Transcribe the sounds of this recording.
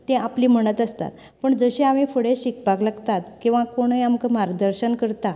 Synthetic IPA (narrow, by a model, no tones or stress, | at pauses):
t̪ːẽapliːm̤əɽ̃ət̪əst̪a̰t̪ | pəɳd͡zəɕẽamĩfəɽeɕikpaklaɡt̪at̪kĩw̃ʋãkoɽ̃əjamkəmaɾd̪əɾɕənkəɾt̪a